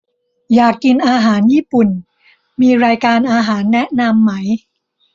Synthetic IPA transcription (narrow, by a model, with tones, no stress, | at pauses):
jaː˨˩kːi˧nʔaː˧ɦaː˩˦njiː˥˩pu˨˩n | miː˧ɾaː˧jkaː˧nʔaː˧ɦaː˩˦nːɛ˦˥na˧mːa˦˥j